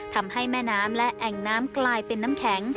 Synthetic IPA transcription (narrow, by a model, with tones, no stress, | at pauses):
t̪ʰa˧mha˥˩jmɛː˥˩naː˦˥mlɛ˦˥ʔʔɛ˨˩ŋnaː˦˥mklaː˧jpe˧nːaː˦˥mkʰɛː˩˦ŋ